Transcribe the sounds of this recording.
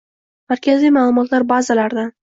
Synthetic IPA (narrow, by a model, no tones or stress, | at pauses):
maɾkʲʰazijmaːlˠʊmɒt̪laɾbazalaɾd̪a